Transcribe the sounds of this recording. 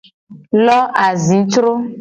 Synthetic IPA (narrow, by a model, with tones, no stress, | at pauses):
lɔ˦ʔa˨zi˨˦tɾʊ˦